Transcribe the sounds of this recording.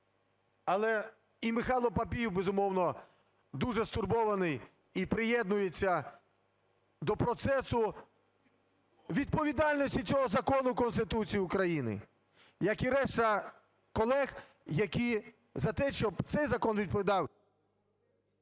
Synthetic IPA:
ɐlˠɛ | imɪxɑlˠɔpɐpʲijiwbezʊmɔwnɔ | d̪uʐɛst̪ʊrbɔʋɐnɪj | ipɾɪjɛd̪nʊjet͡sʲːɐ | d̪ɔpɾɔt̪sɛsʊ | ʋʲid̪̚pɔʋʲid̪ɑlʲnɔsʲtʲit͡sʲɔɦɔzɐkɔnʊkɔnst̪ɪt̪ut͡sʲijiʊukɾɐjinɪ̰ | jɐkiɾɛʃt̪ɐ | kɔlˠɛx | jɐkʲi | zɐt̪ɛʃt͡ʃɔbt̪sɛjzɐkɔnʋʲid̪̚pɔʋʲid̪ɑw

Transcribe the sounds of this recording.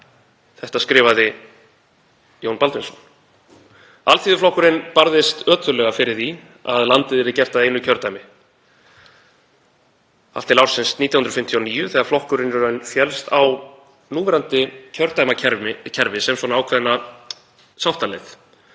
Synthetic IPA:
θɛht̪askɾɪːvaðɪ | joːwnpalt̪mɪnsɔn | alt̪θiːðʏflɔhkʏɾɪnpaɾðɪst̪œːt̪ʏlɛɣafɪɾɪɾ̥θi | a̰ðlant̪ɪðɛɾɪcɛr̥t̪aðejnʏcʰœɾt̪ajmɪ | a̰ft̪ɪlawɾ̥sɪnst̪niːt̪jahnɾɔfɪm̥t̪ʰijɔniːjʏθɛːɣaɾflɔhkʏɾɪnʏɾœnfjɛlst̪aw | nuːmɛɾant̪ɪcʰœɾt̪ajmaɛɾɪcʰɛɾvɪsɛmswɔːnaaːwkʰvɛðnːa | sawht̪alɛθ

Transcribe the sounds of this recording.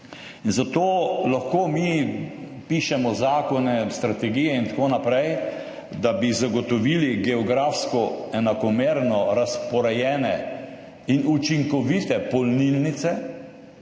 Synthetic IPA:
inzat̪oːlaxkoːmi | piːʃɛmɔzaːkɔnɛst̪ɾat̪ɛɡijɛint̪akoːnapɾɛj | d̪abizaɡɔt̪ɔʋiːliɡɛɔɡɾaːfskɔɛnakɔmeːɾnɔɾaspɔɾɛjɛːnɛ | inut͡ʃiŋkɔʋit̪ɛpɔlnilnit̪sɛ

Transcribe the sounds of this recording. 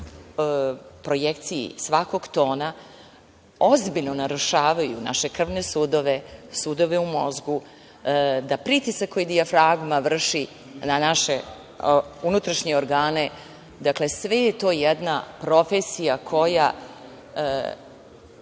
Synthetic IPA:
pɾo̞jekt̪sijḭsʋako̞ɡt̪o̞ːna | o̞zbiʎno̞naɾuʃaːʋajuna̰ʃe̞kr̩ʋnesuːd̪o̞ʋe̞sud̪o̞ʋe̞umo̞zɡu | d̪apɾit̪isakːojid̪iafɾaɡmaʋr̩ʃi | nanaʃe | unut̪ɾaʃɲeoɾɡaːne̞ | d̪akle̞sʋejet̪o̞ːjɛd̪napɾo̞fesijakʰo̞ja̰

